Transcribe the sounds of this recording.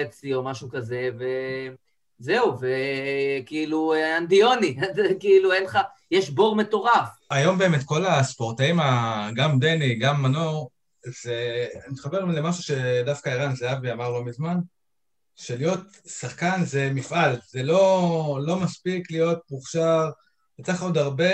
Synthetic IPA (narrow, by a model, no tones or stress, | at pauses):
et͡sio̞maʃukaze̞ve | zeuvekiiluand̪io̞niakiiluenχa | jeʃbo̞ʁme̞to̞ʁafajo̞mbeːmetko̞laspo̞ʁtaimaɡamde̞niɡamːanoʁ | z̥enitχabe̞ʁle̞maʃuʃe̞dafkaeʁanzeaviamaʁlo̞mizman | ʃe̞lijo̞t | saχkanze̞mifʔalze̞lo̞lo̞maspiklijo̞t̚puχʃaʁ | bet͡saχod̪aʁbe̞